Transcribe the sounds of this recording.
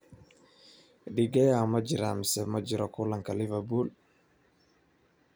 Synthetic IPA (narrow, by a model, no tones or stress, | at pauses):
ɗiɡɐjamɐd͡ʒɪɾamɪsɛmɐd͡ʒɪɾɔkʊlaŋkalɪvɛbul